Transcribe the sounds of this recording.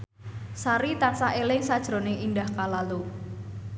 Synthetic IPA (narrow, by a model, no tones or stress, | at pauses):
saɾit̪asaelɪŋsad̥ʒ̥ɾonɪŋʔindahkalalu